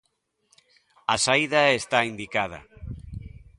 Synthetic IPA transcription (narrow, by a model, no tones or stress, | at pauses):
asaiðaest̪aind̪ikað̞a̰